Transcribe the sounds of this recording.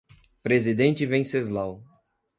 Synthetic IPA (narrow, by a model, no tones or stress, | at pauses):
pɾezid̪ẽnt͡ʃɪvẽj̃sezlaw